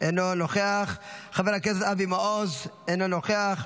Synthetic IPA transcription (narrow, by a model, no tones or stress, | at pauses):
ʔenonoχeaχχaveʁakesesavimaozenonoχeaχ